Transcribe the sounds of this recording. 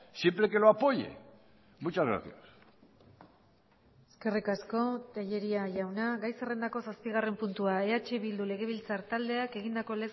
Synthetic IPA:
sjempɾeke̞loapo̞ʎḛ | mut͡ʃazɣḛɾθias | eske̞rikasko̞t̪eʎe̞ɾiaʝawnaɣajsere̞nd̪ako̞saspiɣ̞are̞mpunt̪uae̞at͡ʃe̞βild̪ule̞ɣ̞e̞β̞ilt͡saɾt̪ald̪e̞ake̞ɣ̞ind̪ako̞le̞s

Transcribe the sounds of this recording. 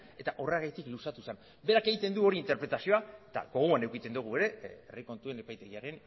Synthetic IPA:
e̞t̪aʔoraɣajt̪iklusat̪usan | be̞ɾake̞ɣit̪e̞nd̪uo̞ɾiːnt̪e̞ɾpɾe̞t̪asio̞aet̪a̰ɣo̞ɣ̞uane̞wkit̪e̞nd̪uɣ̞ue̞ɾe̞eriko̞nt̪ue̞ne̞pajt̪e̞ɣiaɾe̞n

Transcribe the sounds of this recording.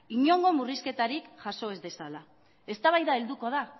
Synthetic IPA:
iɲo̞ŋɡo̞muriske̞t̪aɾikʝaso̞e̞zde̞sala | e̞st̪aβ̞ajðae̞ld̪uko̞ð̞a

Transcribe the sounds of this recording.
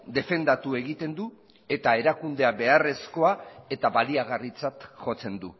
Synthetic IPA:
d̪e̞fe̞nd̪at̪ue̞ɣit̪e̞nd̪u | e̞t̪ae̞ɾakund̪e̞aβe̞are̞sko̞ae̞t̪aβaliaɣarit͡sat̪ʝo̞t͡se̞nd̪u

